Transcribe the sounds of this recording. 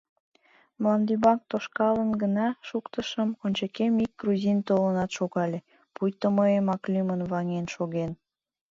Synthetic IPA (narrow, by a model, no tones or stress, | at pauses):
mlɑnd̪ybɑŋk̚t̪oʃkɑlənɡənɑʃukt̪əʃəmonʲt͡ɕekemik̚ɡruzʲint̪olənɑt̪ʃoɣɑlʲe | pujt̪əməemɑklʲymənβɑŋenʃoɣen